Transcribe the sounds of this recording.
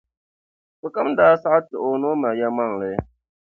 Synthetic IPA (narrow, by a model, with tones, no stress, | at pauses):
fɨ˨ka˦m˦daː˦sa˦ʔa˦tɨ˨ʔo˨no˦ma˨ja˦ma˦˨ŋ˨lɛ˦